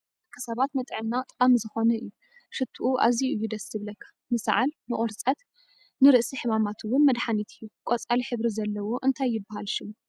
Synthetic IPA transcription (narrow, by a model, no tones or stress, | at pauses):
kʰɐsɐβat̪mɐt̪ʼʕɨnːat̪ʼamzɨxo̞nɐʔɨjːu | ʃɨt̪ʰːuʔuʔa̰ziɨjːud̪ɐsɨβlɐkʰːḁ | mɨsʕalnɨʔʼoɾt͡sʼɐt̪ | nɨɾɨʔsiħɨmamat̪ʰɨwʊnmɐd̪ħanit̪ʰɨjːukʼot͡sʼaliħɨβɾizɐlːɐwoʔɨnt̪ʰajːɪbːahalʃɪm